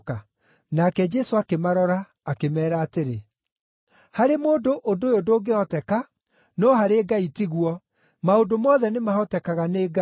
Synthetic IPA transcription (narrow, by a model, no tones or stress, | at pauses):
ka | nakɛd͡ʒɛsoakemaɾɔɾaː | kemɛːɾaːteɾe | haɾemoːndoʔodojodoːɡeɔtɛka | nɔɦaɾeːɡaitiɣwɔ | maondomɔːðɛnemahɔtɛkaɣaneːɡa